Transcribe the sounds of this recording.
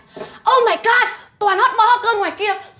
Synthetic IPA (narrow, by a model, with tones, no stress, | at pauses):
ʔə˧wmaː˨˧˩jkaː˧˩t̪waː˨˩nhɔ˦˥t̚ɓɔː˨˧˩hɔ˦˥t̚ɣəː˧nŋwaː˨˩jki˧ə